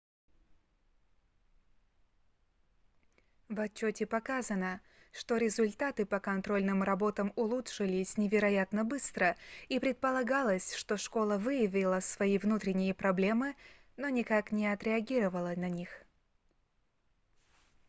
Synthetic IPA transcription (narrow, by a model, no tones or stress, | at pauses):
vɐt͡ɕːotʲɪpɐkazənə | ʂt̪o̞ɾʲɪzʊlʲt̪at̪ɨpəkɐnt̪ɾo̞lʲnɨmrɐbo̞t̪əmʊlˠutʂɨlʲɪsʲnʲɪvʲɪɾɐjat̪nəbɨst̪ɾəipɾʲɪt̪̚pəlˠɐɡalˠəsʲʂt̪o̞ʂko̞lˠəvɨjɪvʲɪlˠəsvɐivnut̪ɾʲɪnʲɪjəpɾɐblʲe̞mɨno̞nʲɪkaknʲɪɐt̪ɾʲɪɐɡʲiɾəvəlˠənɐnʲix